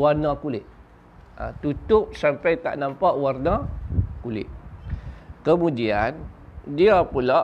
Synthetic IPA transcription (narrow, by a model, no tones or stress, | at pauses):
warnakulɪʔ̪̚ | ã̰t̪ut̪ʊʔsampajt̪a̰ʔnampaʔwarnãkulɪ̰ʔ̚ | kəmũdian | diapula